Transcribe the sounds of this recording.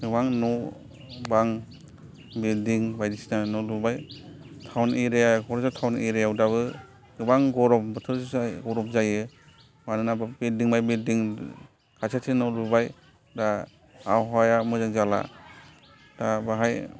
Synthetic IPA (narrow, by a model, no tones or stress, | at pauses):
ɯbaŋnɔ | baŋ | bildiŋbajdisinanɔɾbubaj | tʰawniɾeakʰɔɾɔsatʰawniɾejawdaβɯ | ɡɯbaŋɡɔɾɔp̚bɯtʰɯɾsajɡɔɾɔp̚zajɯ | manɯnabidiŋbajbildiŋ | kʰasʰatʰinɔɾbubaj | da | awɦajamɯzaŋzala̰ | d̥abaɦaj